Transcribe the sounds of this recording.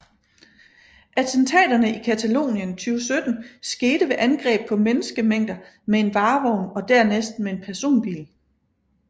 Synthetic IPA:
ʔæt͡sʰənt͡sʰɛ̰ːd̥ɐnəikʰæt͡sʰælo̝̰ːnjənt͡sʰyːʊsød̥n̩sɡ̥e̝ːɾ̥əʋe̝ʔænɡ̥ʁɛ̰ːb̥̚pʰɒ̽menəsɡ̥əmeŋ̰d̥ɐ | mee̝nʋɑ̈ːʋɒʊ̰nɒ̽d̥æɐ̰nesd̥mee̝npʰæɐso̝̰ːnb̥ḭːl

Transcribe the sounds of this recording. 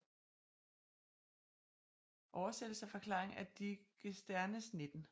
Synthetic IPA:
ʔɒʊɐsed̥l̩sæfɒ̽kʰlɑ̰̈ːʁeŋæd̥iɡ̥əsd̥æɐnəsne̝d̥n̩

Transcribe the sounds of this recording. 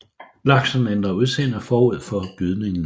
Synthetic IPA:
lɑ̈ɡ̥sɐnend̥ʁɐuðˠsenæfɒːuð̞̰ˠfɒ̽b̥yð̞ˠne̝ŋn̩

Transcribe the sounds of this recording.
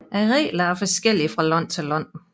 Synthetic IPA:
ʔæʁɛ̰ːlɐæɐfɒsɡ̥el̰iəfʁɑ̈lɒn̰t͡sʰe̝lɒn̰

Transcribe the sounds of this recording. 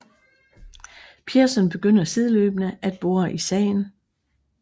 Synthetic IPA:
pʰiɐsɒnb̥e̝ɡ̥øn̰ɐseð̞ˠløːb̥nəʔæd̥̚b̥o̝ːɐʔisɛ̰ːn

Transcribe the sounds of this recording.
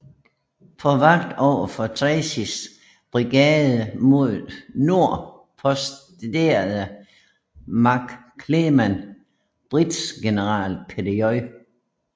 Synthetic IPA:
pʰɒ̽ʋɑ̈ɡ̥̚d̥ɒʊ̰ɐfɒt͡sʰʁɛsis | b̥ʁiɡ̥ɛːð̩ˠəmo̝ð̰ˠno̝ɐ̰ | pʰɒ̽sd̥ | d̥e̝ːɐð̩ˠə | mɑ̈ɡ̥ | kʰːlemæn | b̥ʁid̥sɡ̥e̝nəʁɑ̰̈ːlpʰediɒɪ

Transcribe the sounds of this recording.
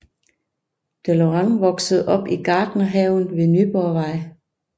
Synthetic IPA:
d̥eloʁɑ̈ŋʋɒ̽ɡ̥səð̞̩ˠʔɒ̽b̥iɡ̥ɑ̈ːd̥nəɦɛʊn̩ʋe̝nyb̥ɒʋɑ̈ɪ̰

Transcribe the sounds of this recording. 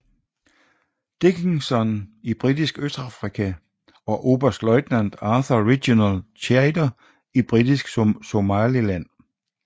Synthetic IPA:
d̥e̝ɡ̥ʰeŋsɒnib̥ʁid̥isɡ̥øsd̥ɑ̈fʁikʰæ | ɒ̽ʔo̝ːb̥ɐsd̥lɒ̽ɪd̥næn̰d̥ɑːθɐʁiɡ̥jonælt͡sʰæɪdɐ | ib̥ʁid̥isɡ̥smso̝mælilæn̰

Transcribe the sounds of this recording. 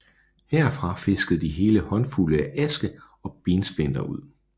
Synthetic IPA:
heɐfʁɑ̈fe̝sɡ̥əðˠd̥iɦe̝ːləhɒ̽nfuləæʔæsɡ̥ə | ɒ̽b̥iːnsb̥en̰d̥ɐuð̞̰ˠ

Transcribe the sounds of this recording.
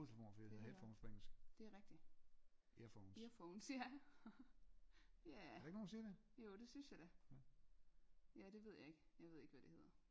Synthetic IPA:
oslfo̰nfieð̰ˠhefɒʊ̥pʰɒeŋl̩sɡ̥d̥e̝æʁɛɡ̥̚d̥i | iɐfoʊnsiɐfoʊnsæ | jæɾɑɪɡ̥noːnsiːd̥ejo̝ːd̥e̝synsjɑ̈ɪd̥æ | jæd̥e̝ʋe̝ð̞̰ˠjɑ̈e̝ɡ̥əjɑ̈ɪʋe̝ð̞̰ˠe̝ɡ̥əʋæd̥e̝he̝ð̰ˠɐ

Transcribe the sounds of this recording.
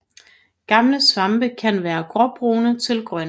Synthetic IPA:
ɡ̥ɑ̈mləsʋɑ̈mb̥əkʰænʋæːɐɡ̥ʁɒb̥ʁuːnət͡sʰe̝lɡ̥ʁɶn

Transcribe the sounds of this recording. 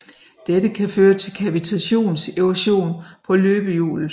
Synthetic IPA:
d̥ed̥əkʰæføːɐt͡sʰe̝lkʰæbit͡sʰæɕo̝̰ːnse̝ʊæɕo̝̰ːnpʰɒ̽løːb̥əjṵːl

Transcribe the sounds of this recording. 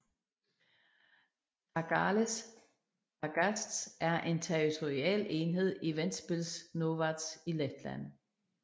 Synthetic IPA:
ɑɡ̥ɑles | ɑɡ̥æsd̥sæɐʔe̝nt͡sʰeʁit͡sʰoʁiɛ̰ːle̝ːnɦe̝ð̞̰ˠiʋen̰̥sb̥e̝lsnoʋɑd̥siled̥læ̰n̰

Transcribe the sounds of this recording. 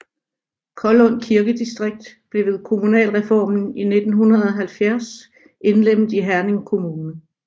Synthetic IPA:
kʰɒ̽lɔ̽n̰kʰiɐɡ̥əd̥isd̥ʁeɡ̥̚d̥b̥le̝ʋe̝ðˠkʰo̝munɛ̰ːlʁɛfɒ̰ːmn̩ine̝d̥n̩ɦunɐð̞̩ˠɒ̽ɦælfjæɐs | e̝nlem̰ð̩ˠiɦæɐne̝ŋkʰo̝muːnə

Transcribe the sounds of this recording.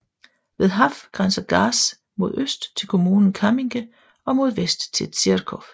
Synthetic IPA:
ʋe̝ðˠɦɑfɡ̥ʁɑnsɐɡ̥ɑ̈ːs | mo̝ð̞ˠøsd̥t͡sʰe̝lkʰo̝muːnn̩kʰɑmiŋɡ̥ə | ɒ̽mo̝ð̞ˠʋesd̥t͡sʰe̝lt͡sʰiɐkʰɔf

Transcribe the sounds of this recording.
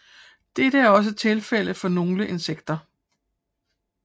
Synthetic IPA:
d̥eɾəæɐɒ̽s̬ət͡sʰe̝lfel̰əfɒ̽no̝ːləʔe̝nseɡ̥̚d̥ɐ

